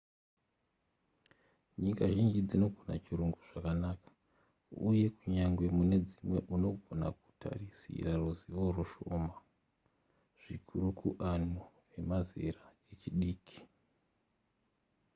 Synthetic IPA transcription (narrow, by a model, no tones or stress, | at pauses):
ɲikaʒind͡ʒid͡zino̞ɡʱona̰t͡ʃiruŋɡuʐ̥akanakḁ | ṵje̞kuɲaŋɡwe̞mune̞d͡zimwe̞̰ʔuno̞ɡʱo̞na̰ku̥tʰa̰risḭraruziʋo̞ruʃoːma | ʐ̥ikʰuɾukʰuʔanu | e̞mazḛɾae̞t͡ʃiɗiːkʰi̥